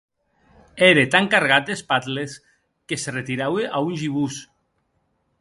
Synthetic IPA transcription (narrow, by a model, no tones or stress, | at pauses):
eɾet̪aŋkaɾɣat̪̚d̪espat̪les | keseret̪iɾaweʔaunʲʒiβus